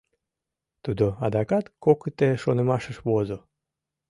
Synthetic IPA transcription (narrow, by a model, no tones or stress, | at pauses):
t̪ud̪oɑd̪ɑkɑt̪kokət̪eʃonemɑʃəʃβozo